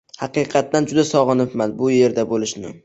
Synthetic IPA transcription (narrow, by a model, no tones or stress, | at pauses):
hɑqɨjqʰɑt̪ːand͡ʒʊd̪asɒʁɨnɪpmanbʊje̞ɾd̪abolɪʃnɪ